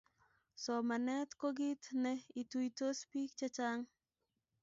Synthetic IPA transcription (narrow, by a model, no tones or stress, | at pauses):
somanɛt̪koɡit̪nɛitujtospik̚t͡ʃat͡ʃaŋ